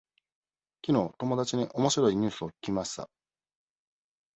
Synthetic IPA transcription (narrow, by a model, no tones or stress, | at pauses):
kʲino̞ːt̪o̞mo̞d̪at͡ɕiɲ̟iʔo̞mo̞ɕiɾo̞iɲ̟ɨːsɨo̞kʲi̥kʲimaɕt̪a̰